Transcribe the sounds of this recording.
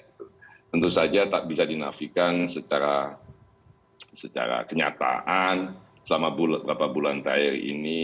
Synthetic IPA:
t̪ənt̪usad͡ʒat̪aʔbisadina̰fikansət͡ʃaɾa | sət͡ʃa̰ɾa̰kəɲa̰t̪a̰ʔan | səlamabulbəɾapabulant̪airḭni

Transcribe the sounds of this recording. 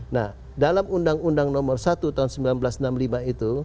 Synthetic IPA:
nah | dalamundaŋundaŋnɔmɔrsat̪ut̪aunsəmbilanblasnamlimait̪u

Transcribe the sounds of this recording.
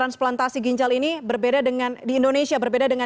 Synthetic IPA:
ɾansplant̪asiɡiɲd͡ʒalinibərbedadəŋandiːndonesiabərbedadəŋa

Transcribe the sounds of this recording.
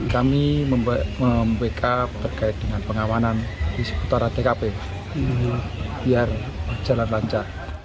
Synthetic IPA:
kamiməməmbekʰat̪ərkaɪt̪̚dəŋanpəŋawanandiskut̪aɾat̪ekape | b̥iarəd͡ʒalanlaɲt͡ʃar

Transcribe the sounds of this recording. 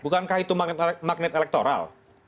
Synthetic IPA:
bukankahit̪umat̪mak̚nɪt̪elɛk̚t̪oɾa̰l

